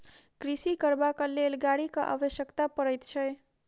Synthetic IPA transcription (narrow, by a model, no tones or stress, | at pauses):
kɾisikəɾbakəlelɡaɽikəʔa̰bəʃjəkt̪apəɾəjt̪t͡ʃʰɛj